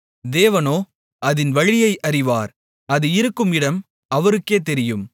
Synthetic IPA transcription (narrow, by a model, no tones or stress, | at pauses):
d̪eːʋɐnoː | ʔɐðɪnʋɐɻɪjɐɪʔɐɾɪʋaːɾ | ɐðɯɪɾɯkːɯmɪɽɐm | ɐʋɐɾɯkːeːt̪ɛɾɪjɯm